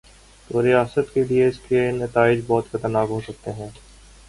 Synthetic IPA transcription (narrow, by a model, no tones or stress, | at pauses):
t̪oːɾijaːsət̪kelieɪskeenɐt̪aːɪd͡ʒbɔːt̪xɐt̪əɾnaːkɦoːsɐk̚t̪eɦɛ̃ː